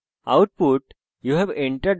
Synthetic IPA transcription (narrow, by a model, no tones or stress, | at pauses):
a̰ʊʈ̚puʈ | juːɦɛʋẽɳʈəɾɖ